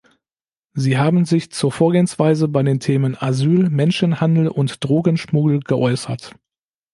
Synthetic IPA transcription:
ziːɦaːbn̩zɪçt͡suːɐfoːɐɡeːənsv̥aɪzəbaɪdeːntʰeːmənazyːlmɛnʃənhandl̩ʔʊntd̥ʁoːɡənʃmuɡl̩ɡ̥əʔɔʏsɐt

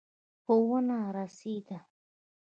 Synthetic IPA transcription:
powənaɾasid̪a

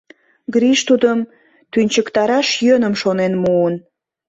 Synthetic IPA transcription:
ɡɾiʃt̪ud̪əm | t̪ynʲt͡ɕəkt̪ɑɾɑʃjønəmʃonenmuən

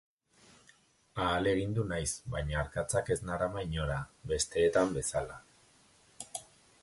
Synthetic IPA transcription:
aːle̞ɣ̞ind̪unajsβajɲaːɾkat͡sake̞znaɾamaiɲo̞ɾaβe̞st̪e̞ːt̪ambe̞sala

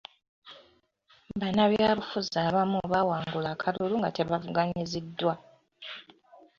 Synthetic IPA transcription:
banaβjaːβufuzaːβamuβawaːŋɡulakʰaloluŋɡa̰tʰeβavuɡaɲizidːwa

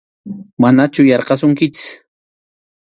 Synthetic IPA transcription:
manat͡ʃʊjɑɾqɑsʊŋkɪt͡ʃɪ̥s

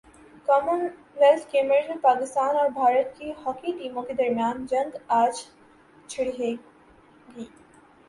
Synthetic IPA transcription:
kɔːmən | ʋelskeːmɾezmepaːkɪst̪aːnɔːɾbʱaːɾət̪̚keɦɔːkiʈiːmõked̪ɐɾmijaːnd͡ʒɐ̃ŋɡaːd͡ʒ | t͡ʃʰɪɽiɦe | ɡiː

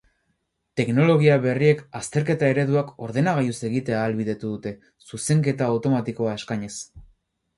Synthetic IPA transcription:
t̪e̞kno̞lo̞ɣ̞iaβe̞rie̞kast̪e̞ɾke̞t̪ae̞ɾe̞ðuako̞ɾðe̞naɣ̞ajuse̞ɣit̪e̞aːlβiðe̞t̪uðut̪e̞ | suse̞ŋke̞t̪aːwt̪o̞mat̪iko̞ae̞skaɲe̞s

